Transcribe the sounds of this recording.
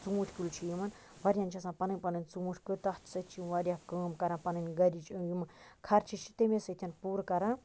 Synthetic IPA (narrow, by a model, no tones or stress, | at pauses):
t͡suːuʈʲʰkult͡ʃʰijimɐn | ʋɐɾʲjanʲt͡ʃʰɐsãːpɐnɨnʲpɐnɨnʲt͡sumuʈʰʲkɨt̪ɐht̪ʰsɐt̪t͡ʃʰiʋɐɾʲjakəːmkɐɾãːpɐnɨnʲɡɐɾʲit͡ʃjumɐkʰɐɾt͡ʃʰit͡ʃʰi̥t̪emʲesɐt̪ʰʲɐnpuːɾkɐɾãː